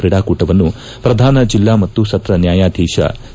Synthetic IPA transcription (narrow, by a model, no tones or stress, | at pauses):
pɾiːɽaːkuːʈɐʋɐnːu | pɾɐd̪ʱaːnɐd͡ʒilːaːmɐt̪ːusɐt̪ɾɐnjaːjaːd̪ʱiːʃɐ̰